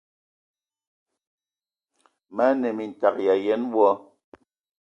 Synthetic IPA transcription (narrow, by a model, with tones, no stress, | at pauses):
ma˦nɛ˨mi˨n̩˨ta˨k̚ja˨jɛ˨˦nwɔ˦